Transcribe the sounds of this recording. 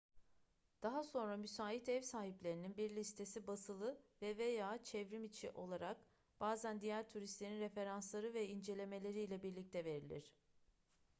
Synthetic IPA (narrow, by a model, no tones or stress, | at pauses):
d̪̥aɦaso̞nɾamysaːit̪ɛvsaːhiplʲe̞ɾininbiɾlʲist̪ʰe̞sibasɯlˠɯvɛvejaːt͡ʃʰɛvɾimit͡ʃʰḭʔo̞lˠaɾak̚ | b̥aːzænd̪ijæɾt̪ʰuɾist̪lʲe̞ɾinɾe̞fe̞ɾanslˠaɾɯvɛind͡ʒe̞lʲe̞me̞lʲe̞ɾiːlʲɛbiɾlʲic̚t̪ʰɛve̞ɾilʲḭɾ̝̥